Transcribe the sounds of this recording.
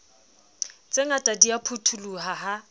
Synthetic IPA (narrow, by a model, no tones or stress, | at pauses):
t͡sʼeŋatʼadiapʰutʰuluɦaɦa